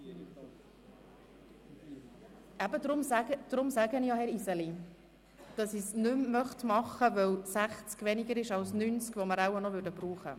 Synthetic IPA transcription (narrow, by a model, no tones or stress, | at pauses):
æbədɾʊmsæɡəd̥ɾʊmsæɡənijɑhɛɾisɛli | d̥ɑsisnʉmmœχtmɑχəvœwsæχt͡skvɛniɡəɾɪʃɑlsnynt͡skvɔməɾawanɔvʏɾdəbɾuːχə̰